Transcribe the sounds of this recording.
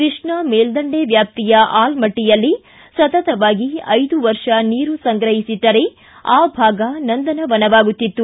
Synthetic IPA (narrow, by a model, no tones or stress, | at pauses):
kɾɨʂɳɐmeːld̪ɐɳɖeʋjaːp̚t̪ijɐʔaːlmɐʈːijɐlːi | sɐt̪ɐt̪ɐʋaːɡiɐjd̪uʋɐɾʂɐniːɾusɐŋɡɾɐɦisid̪ːɐɾe | aːbʱaːɡɐnɐnd̪ɐnɐʋɐnɐʋaːɡut̪ːit̪ːu